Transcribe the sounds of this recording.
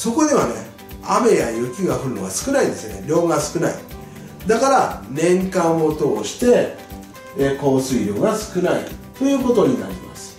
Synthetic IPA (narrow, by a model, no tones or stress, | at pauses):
so̞ko̞d̪e̞βane̞̰ | ame̞jajɯ̟kʲiɡaɸɯ̟ɾɯ̟no̞̰βasɨ̥kɯ̟naid̪e̞sɨne̞ɾʲo̞ːɡasɨ̥kɯ̟naḭ | d̪akaɾanẽ̞ŋkãmːo̞t̪o̞ːɕi̥t̪e̞ | ko̞ːsɨiɾʲo̞ːɡasɨ̥kɯ̟naḭt̪o̞jɯ̟ːko̞t̪o̞ɲ̟ina̰ɾʲimasɨ̥